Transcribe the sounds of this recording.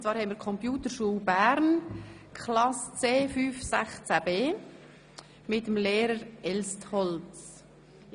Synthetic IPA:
nt͡svɑːɾhɛɪmiːɾkʰɔmpjuːtəʃuːbæɾnkʰχlɑst͡seːfyːfsæχt͡sæb̥eː | mɪtəmleːɾəɾɛlsthɔlt͡s

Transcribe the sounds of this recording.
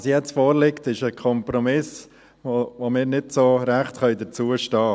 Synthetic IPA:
ɑsjɛt͡stfoːɾlɪktɪʃəkʰɔmpɾɔmɪs | oʋomɪːɾnɪdsoɾæχtχœʏdəɾt͡suːəʃtɑː

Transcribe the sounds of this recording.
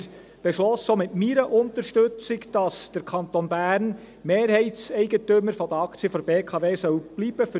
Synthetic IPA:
b̥ɛʃlɔssoːmɪtmiɾəʔʊnt̪əɾʃtɵt͡sɪkd̥ɑsd̥əɾkʰɑnt̪onbæːɾn | meːɾhɛɪtsɛɪɡətʏməɾfɔd̪əɑkt͡siəfɔɾbeːkʰɑːveːsœwb̥liːb̥əfʏ

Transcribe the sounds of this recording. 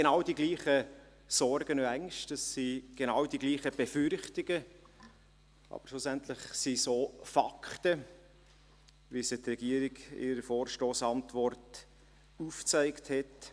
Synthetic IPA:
ɡenɑwdiɡliːχə | sɔɾɡ̥ənoæŋʃtəsːiɡ̥enɑwdiɡliːχəb̥ɛfʏɾχtɪɡ̥ə | ʔɑ̰b̥əɾʃlusænt̪lɪχsisoːfɑkʰtə | ʋisɪt̪rɛɡiəɾiɡɪ̰ɾəfoːrʃtoːsɑntʋɔrt | uft͡sæɪkthɛt

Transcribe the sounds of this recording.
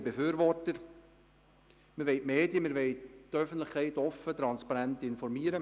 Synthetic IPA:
befyːɾʋɔrtəɾ | məɾʋeɪʔmeːdjəmɪɾʋɛɪtːœfən̩tlɪχkʰɛɪtɔfət̪ɾɑnspɑɾæntɪnfɔɾmiːəɾə

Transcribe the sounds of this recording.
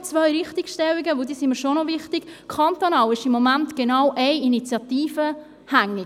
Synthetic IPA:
t͡svœjɾɪχt̪ikʃtɛliɡəʋod̪iːsimiɾʃonɔvɪχtikkʰɑnt̪onɑːwɪʃimːɔmæntɡ̥enɑwʔɛɪinit͡sjɑt̪iːfə | hæŋːi

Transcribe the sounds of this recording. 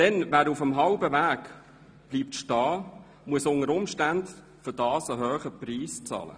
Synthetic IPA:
d̥ɛnʋæːɾufəmɦɑlbəʋæːk | b̥liːp̚tʃtɑː | muəsʊŋəɾʊmʃtænd | fʏdɑːsəɦøːχəpriːst͡sɑ̰ːlə̰

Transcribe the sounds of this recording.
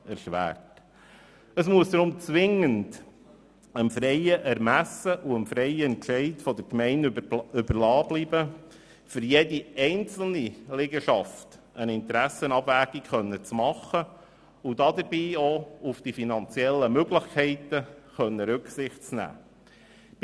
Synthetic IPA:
ɛɾʃʋæ̰ːɾt | əsmuəsd̪ɾʊmt͡sʋɪŋənd | əmfɾɛɪəʔɛɾmæsəʔuəmfɾɛɪəɛnt͡ʃɛɪtfɔd̥̪əɾkmɛɪnʏbəɾlɑːbliːbə | fʏɾjediɛɪnt͡sl̩ˠnilɪɡəʃɑft | ənɪnt̪ɾæsənɑbʋæːɡ̥ikχœnːət͡smɑχə | ʊdɑd̪əɾbiːoufd̥̪ifinɑnt͡sjɛlːəmøɡlɪχkʰɛɪtəχœnːəɾʉksɪχtt͡snæ̰ː

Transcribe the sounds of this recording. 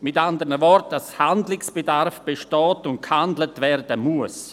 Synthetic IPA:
mɪtandəɾnəvɔɾt̚d̥ashandlɪksb̥edarfb̥eʃtɔːtʊnt̚khandlətvɛɾdəmuəs

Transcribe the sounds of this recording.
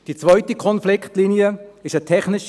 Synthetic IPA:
d̥it͡svœʏtikʰɔnflɪkʰtliniəɪʃətʰɛχnɪʃ

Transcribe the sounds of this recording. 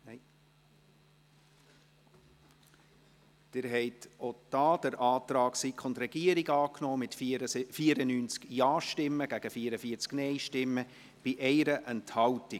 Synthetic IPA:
d̥ɪɾɦɛɪtod̥ɑːd̥əɾʔɑːt̪ɾɑːksikχʊntɾɛɡ̥iəɾiɡɑːknɔːmɪt̪fiːəɾənyːnt͡skjɑːʃtɪmːəɡ̥æɡ̥əfiəɾəfiəɾt͡sknɛɪʃtɪmːə | b̥ɪʔɛɪɾəʔɛnthɑlti

